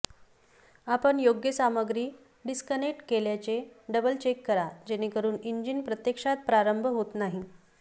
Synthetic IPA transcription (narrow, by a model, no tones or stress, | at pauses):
apəɳjoɡjəsaməɡɾiː | ɖiskəneʈkeljat͡seɖəbəlt͡ɕekːəɾad͡ʑenekəɾuːniɲd͡ʑinpɾət̪jekʂat̪̚pɾaɾəmbʱəɦot̪naɦi